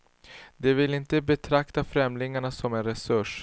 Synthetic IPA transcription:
d̪ɛvɪlɪnt̪əbɛt̪ʰɾakt̪afɾɛmlɪŋaɳasɔmɛnɾɛsɵʂ

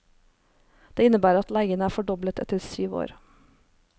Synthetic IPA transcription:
d̪̥eːɪnəbæːɾɑt̪læɪɡənəæːɾfɔɖɔblət̪ʰɛ̰t̪əɾsyːʋo̰ːɾ

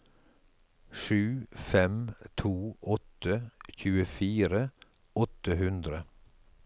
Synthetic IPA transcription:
ʃʉːfɛmt̪ʰuːʔɔt̪əçʉːəfiːɾə | ɔt̪əhʉnd̪ɾə

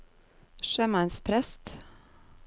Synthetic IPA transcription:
ʃœːmɑnspʰɾɛst̪

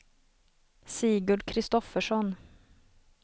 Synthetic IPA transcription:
siːɡʊɖkʰɾɪst̪ɔfəʂɔn

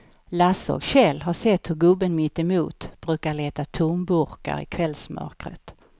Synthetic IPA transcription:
lasɔ̰kɕɛlːɦaʂɛt̪ːhɵɾɡɵbːənmɪt̪ːɛmṵːt̪b̥ɾʉ̟ːkaɭeːt̪at̪ʰʊmbɵɾka̰ɾɪ̰kʰvɛlsmʔœ̰ɾkɾə̰t̪

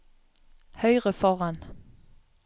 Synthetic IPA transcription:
hœʏʁəfɔʁan

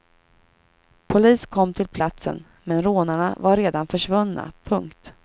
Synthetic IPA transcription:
pʰʊliːskʰɔmːt̪ʰɪlpʰlat̪sə̰n | mɛnɾoːnaɳavaɾɾeːd̪anfœʂvɵnːa̰pʰɵŋkt̪

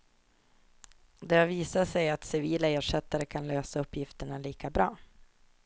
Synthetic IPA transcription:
d̪ɛhaviːsaʂɛjat̪sɪviːlaeːʂɛt̪ːaɾəkʰanløːsaɵpːjɪft̪əɳaliːkabɾɑː

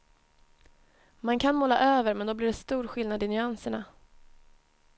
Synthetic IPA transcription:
mankʰanmoːla̰ʔøːvəɾmɛnd̪ɔblɪɖɛst̪uːɾɧɪlnad̪ɪnʏansəɳa

